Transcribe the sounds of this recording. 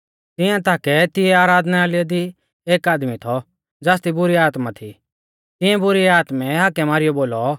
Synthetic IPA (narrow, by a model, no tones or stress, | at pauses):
t̪ɪjãt̪aːkɛt̪ɪɛaːɾaːd̪nɛaːlɪɔd̪i | eːkaːd̪mit̪ʰɔ | d͡zaːs̬t̪ibʊɾiaːt̪mat̪ʰḭ | t̪ɪ̃jɛ̃bʊɾiaːt̪mɛ̃ɦakːɛmaːɾɪjɔboːlɔ